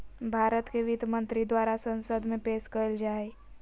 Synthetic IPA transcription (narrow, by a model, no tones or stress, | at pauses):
bʱaɾət̪keʋid̪mənt̪ɾid̪waɾasənsəd̪ʱmẽpeskəld͡ʒae